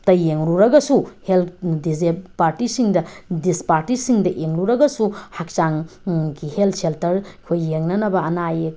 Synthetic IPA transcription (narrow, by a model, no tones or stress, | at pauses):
tɐjeŋɾuɾɐɡɐsuheldizepaɾtisiŋdɐdispaɾtisiŋdɐʔeŋɾuɾɐɡɐsuhak̚t͡ʃaŋɡiheltseltɐɾkʰojːeŋnɐnɐbɐɐnaje